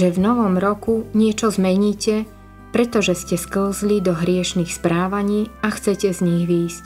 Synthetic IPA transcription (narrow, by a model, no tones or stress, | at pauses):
ʒɛvnɔʋɔmɾɔkuɲɪɛt͡ʃɔzmɛɲiːcɛ | pɾɛt̪ɔʒɛscɛskl̩zlid̪ɔɦɾɪɛʃniːxspɾaːʋaɲiːaxt͡sɛcɛzɲiɣʋiːsc